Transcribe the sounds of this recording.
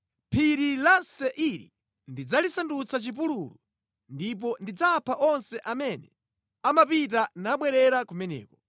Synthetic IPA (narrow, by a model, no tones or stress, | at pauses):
pʰiɾilasɛʔiɾḭ | ndid͡zalisandut͡sʰat͡ʃip̬ululu | ndip̬ɔndid͡zapʰaʔɔnsɛʔamɛnɛ | amapit̬anaɓwɛɾɛɾakumɛnɛ̰ːkɔ